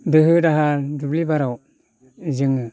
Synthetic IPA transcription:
dɯɦɯdaɦadublibaɾaw | ziŋɯ

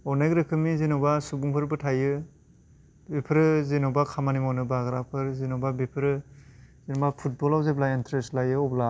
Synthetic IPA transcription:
ɔnejɡɾɯkʰɯmizinɔbasubuŋpʰɯɾbɯtʰajɯ | bipʰɯɾɯzinɔbakʰamanimɔnɯbaɡɾapʰɯɾzinɔbabipʰɯɾɯzinɔbapʰut̚bɔlawzeblaintʰɾestlajɯɔbla

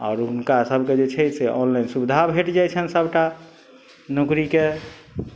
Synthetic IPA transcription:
ɔ̰ːɾunkasəbʱked͡ʒet͡ʃʰɛseʔɔnlainsubid̪ʱabʱeʈd͡ʒajt͡ʃʰənsəbʈa | nukɾike

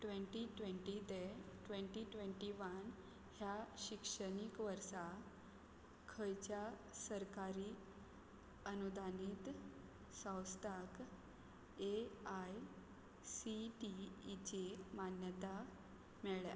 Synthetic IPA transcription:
ʈʋẽɳʈiʈʋeɳʈid̪eʈʋẽɳʈiʈʋeɳʈiʋan | hjaɕikʂənikʋəɾsa | kʰəjt͡ɕjasəɾkaɾiː | ənud̪ʱaniːt̪ | sə̃w̃st̪ʰak | eaj | siʈiːt͡ɕemanjət̪a | mɛɭja̰

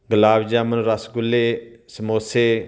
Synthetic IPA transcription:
ɡəlaːbd͡ʒaːmənɾəsɡʊlːeːsəmoːseː

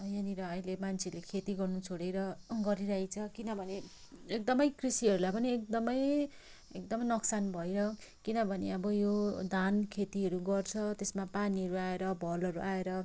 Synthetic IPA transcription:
janiɾʌʌjlemant͡sʰelekʰet̪iɡʌrnut͡sʰoɽejɾʌɡʌɾiɾaɦit͡sʰʌkinʌbʱʌneː | k̚d̪ʌmʌjkrisiʌɾulajpʌniek̚d̪ʌmʌj | ek̚d̪ʌmʌjnʌksanbʱʌjɾʌkinʌbʱʌneʌbʌjod̪ʱankʰet̪iɦʌɾuɡʌrt͡sʰʌt̪esmapaniɦʌɾuaeɾʌbʱʌlʌɾuʔaeɾʌ

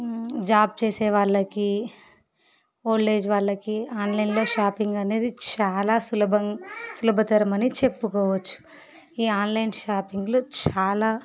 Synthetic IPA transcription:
d͡ʒaːb̚t͡ʃeːsɛːʋaːɭːɐki | oːlːe̞ːd͡ʒʋaːɭːɐkiaːnlɐjnlo̞ːʃaːpiŋɡɐne̞ːd̪it͡ʃaːlaːsulɐbɐŋsulɐbɐt̪ɐɾɐmɐnit͡ʃe̞pːukɔːʋɐt͡ʃːu̥ | iːaːnlɐjnʃaːpiŋɡloːt͡ʃaːlaː

